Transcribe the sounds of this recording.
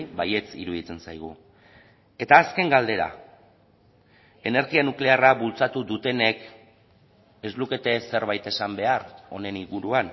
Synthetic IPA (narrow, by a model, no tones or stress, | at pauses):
baje̞t͡sḭɾuðit͡se̞nsajɣ̞u | e̞t̪aːske̞ŋɡald̪e̞ɾa̰ | e̞ne̞ɾɣianukle̞arabult͡sat̪uðut̪e̞ne̞k | e̞zluke̞t̪e̞se̞ɾβ̞ajt̪e̞sambe̞aɾo̞̰ne̞niɣuɾuan